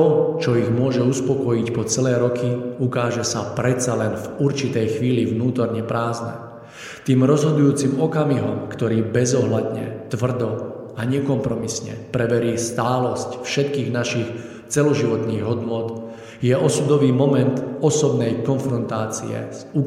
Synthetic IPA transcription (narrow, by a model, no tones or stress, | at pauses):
t̪ɔt͡ʃɔiɣmʊɔʒɛuspɔkɔjicpɔt͡sɛlɛːɾɔkʰiukaːʒɛsapɾɛt̪t͡salɛnvuɾt͡ʃit̪ɛjxʋiːliʋnuːt̪ɔɾɲɛpɾaːznɛ̰ | t̪iːmɾɔzɦɔd̪ujuːt͡siːmɔkamiɦɔmkt̪ɔɾiːbɛzɔɦlad̪ɲɛ̰t̪ʋr̩d̪ɔ | aɲɛkɔmpɾɔmisɲɛ̰pɾɛbɛɾiːst̪aːlɔscfʃɛt̪kiːɣnaʃix | t͡sɛlɔʒiʋɔt̪niːɣɦɔd̪nʊɔt̪ | jɛʔɔsud̪ɔʋiːmɔmɛnt̪ɔsɔbnɛjkɔnfɾɔnt̪aːt͡sḭɛ̰zu